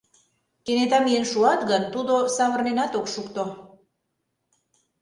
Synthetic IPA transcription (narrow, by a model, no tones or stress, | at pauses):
kenet̪ɑmijenʃuɑt̪ɣənt̪ud̪osɑβə̆rnenɑt̪okʃukt̪o